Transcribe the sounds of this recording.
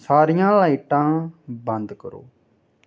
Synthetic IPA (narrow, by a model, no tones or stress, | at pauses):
saːɾijãːlaiːʈãːbənd̪kəɾo̰ː